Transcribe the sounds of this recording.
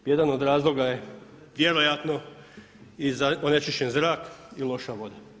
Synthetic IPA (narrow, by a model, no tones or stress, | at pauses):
jed̪ano̞d̪ɾaːzlˠo̞ɡaje̞ | ʋje̞ɾo̞jat̪no̞ | izaonet͡ʃiʃt͡ɕenzɾaːkilˠo̞ʃaʋo̞d̪a